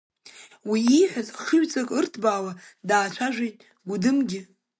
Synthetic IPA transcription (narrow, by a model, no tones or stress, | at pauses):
wiːħʷazχəɥt͡sʼakʼɨrtʰbaːwadaːt͡ʃʷʰaʒʷejtʼ | ɡʷudɨmɡʲɪ